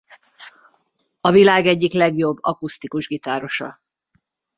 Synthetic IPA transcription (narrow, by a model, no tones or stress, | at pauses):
ɒvilaːɡɛɟːiklɛɡjo̞bːɒkust̪ikuʒɡit̪aːɾo̞ʃɒ̰